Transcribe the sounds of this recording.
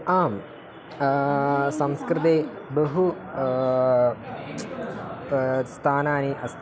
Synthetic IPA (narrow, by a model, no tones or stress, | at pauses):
aːm | sɐmskɾɨd̪eːbɐɦu | st̪ʰaːnaːniʔɐs